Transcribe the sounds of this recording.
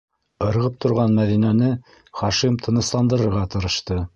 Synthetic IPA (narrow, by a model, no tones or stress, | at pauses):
ɤ̆ɾʁɤp̚t̪ʰŏɾʁɑnmæðinænɘ | χɑʃimt̪ʰɤ̆nɤ̆slˠɑnd̪ɤ̆ɾɤ̆ɾʁɑt̪ɤ̆ɾɤ̆ʃt̪ɤ